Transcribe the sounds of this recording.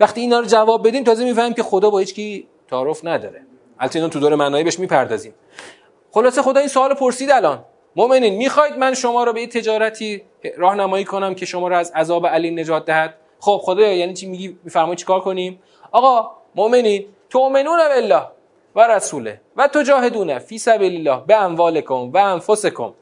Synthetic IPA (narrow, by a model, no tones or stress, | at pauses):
væxt̪iːnɒːɾod͡ʒævɒːb̚ːed̪iːmt̪ʰɒːzemiːfæɾmiːmcʰʲexod̪ɒːbɒːhiːt͡ʃciː | t̪ʰɒːɾofnæd̪ɒ̰ːɾe | hælt̪ʰinɔmt̪udoːɾemænɒːibe̞ʃmiːpʰæɾd̪ɒːziːm | xo̞lɒːse̞xo̞d̪ɒːiːnsoɒːlopʰo̞ɾsiːd̪ælɒːn | moʔme̞niːnmiːxɒːjd̪̚mænʃo̞mɒːɾɔbejet̪ʰe̞d͡ʒɒːɾæt̪ʰiː | ɾɒːhnæmɒːjiːkʰo̞næmcʰe̞ʃo̞mɒːɾɔæzæzɒːbeæliːne̞d͡ʒɒːt̪̚d̪æhæd̪̥ | χob̥̚xod̪ɒːjjæːniːt͡ʃʰimiɡiːmiːfæɾmɒːit̪̚t͡ʃʰi̥kɒːɾkʰoniːm | ʔɒːɣɒː | moʔme̞niːn | t̪ʰoʔme̞nuːnæbe̞lːɒːh | væɾæsuːle | væt̪ʰod͡ʒɒːɦe̞d̪uːnæfiːsæbiːlelːɒːhbeæɱvɒːlekʰo̞mvæːnfosekʰo̰m